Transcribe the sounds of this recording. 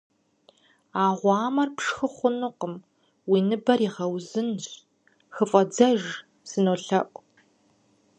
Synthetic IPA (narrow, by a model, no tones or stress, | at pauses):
aːʁʷɑːmɐrpʂxɨχʷʊnɨqəm | wiːnɨbɐriʁɐwzɨnɕ | xɨfʼɐd͡zɐʒ | sɨnoːɬɐʔʷʼ